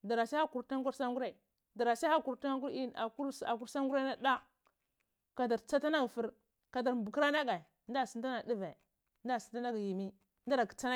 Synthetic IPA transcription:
da˨ɾa˨sa˦a˦ku˨ɾta˦ɡu˦ɾsa˦ŋɡu˦ɾa˨i˨ | da˨ɾa˨sa˦a˦ku˨ɾta˦ŋ˦ku˦ɾi˦na˨ku˦a̰˨ku˦ɾsa˦ŋɡu˦ɾa˦na˦da˦ | ka˨da˨ɾt͡sa˦ta˦na˦ɡfi˦ɾ | ka˨da˨ɾbu˨kɾa˦na˦ɡa˨ | n˦da˦˨si˦nda˦na˨di˦ve˨ | nda˦˨si̥˨nta˦na˦ɡji˨mi˦˨ | nda˦ɾa˨ki̥˨t͡sa˦na˦

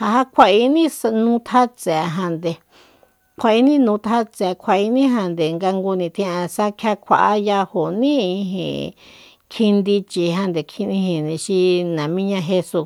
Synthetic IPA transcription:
ha˧ɦa˦kʷʰa˧i˧nĩ˦sa˧nũ˧t̪ʰa˦t͡se˨˧ɦã˧nd̪e˨ | kʰʷa˧˨i˧˦nĩ˦nũ˧t̪ʰa˦t͡se˨˧kʷʰa˨i˧˦nĩ˦ɦã˧nd̪e˨ŋɡa˧ŋɡu˧nĩ˧t̪ʰĩ˧ã˧sa˦kʰja˦kʰʷa̰˨ʔa˦ja˧ho˨nĩ˦i˧ɦḛ̃˨ | kʰi˧nd̪i˧t͡ʃi˧ɦã˧nd̪e˨kʰĩ˧nĩ˧hĩ˨nĩ˧ʃi˧nã˨mĩ˦ɲã˧ɦe˧su˧

